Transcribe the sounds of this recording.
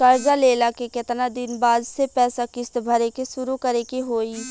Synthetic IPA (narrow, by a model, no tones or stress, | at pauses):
kɐɾd͡ʒaleːlakekɪt̪nad̪ɪnbaːd̪sepɛːsakɪst̪bʱɐɾekesʊɾukɐɾekeɦoːiː